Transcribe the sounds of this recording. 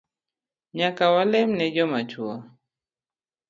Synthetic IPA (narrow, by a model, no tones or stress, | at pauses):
ɲakawalɛmnɛd͡ʒɔmat͡ʃua